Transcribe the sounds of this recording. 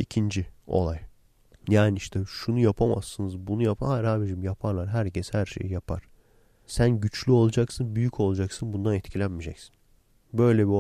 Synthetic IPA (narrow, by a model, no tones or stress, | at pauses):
icʰind͡ʒio̰lˠaj | jaːnɪiʃt̪ʰɛʃunujapʰama̰sːɯnɯzbunujapʰaaɾhaːbiɾimjapʰaɾlˠaɾɦæɾcʰɛshæɾʃḛjjapʰa̰ɾ̥ | sænɟyt͡ʃlʲyo̞lˠad͡ʒaksɯnbyjycʰo̞lˠad͡ʒaksɯnbund̪anɛt̪cʰilʲænmid͡ʒɛcsi̥n | bø̞jlʲɛbi